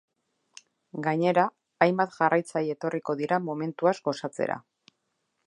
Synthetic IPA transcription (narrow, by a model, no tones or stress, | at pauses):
ɡaɲe̞ɾaː | jmbat̪ʝarajt͡sajie̞t̪o̞riko̞ðiɾamo̞me̞nt̪uazɡo̞sat͡se̞̰ɾa̰